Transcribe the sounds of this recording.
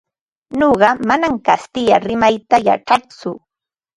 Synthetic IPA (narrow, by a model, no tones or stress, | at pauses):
noɢɑmanamkast̪ɪjaɾɪmajt̪aja̰ʈ͡ʂat͡sʊ